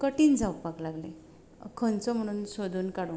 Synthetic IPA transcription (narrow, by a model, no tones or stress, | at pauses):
kəʈiːnd͡zʱawkpaklaɡle | kʰənt͡sɔm̤əɽ̃uːnsod̪ʱuːnkaɽũ